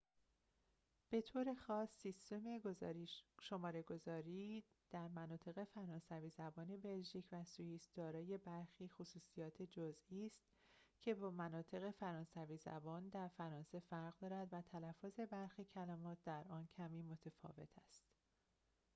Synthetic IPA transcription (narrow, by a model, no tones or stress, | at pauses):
b̥e̞t̪ʰoːɾe̞xɒːsːist̪e̞me̞ɡoz̰ɾiʃo̞mɒːɾe̞ɡo̞zɒːɾiː | d̪̥æɾmænɒːt̪ʰe̞ɣe̞fæɾɒːnsæviːzæbɒːne̞be̞lʒiːcʰvæsujiːsd̪̥ɒːɾɒːje̞bæɾxiːxosuːsijɒːt̪ʰed͡ʒozʔiːst̪ | cʰe̞bɒːmænɒːt̪ʰe̞ɣe̞fæɾɒːnsæviːzæ̰bɒːnd̪æɾfæɾɒːnse̞fæɾɣd̪ɒːɾæd̪væt̪ʰælæfːoze̞bæɾxiːcʰælæːmɒːt̪̚ʰd̪æɾʔɒːncʰæmiːmo̞t̪ʰefɒ̰ːve̞̰t̪ʰæst̪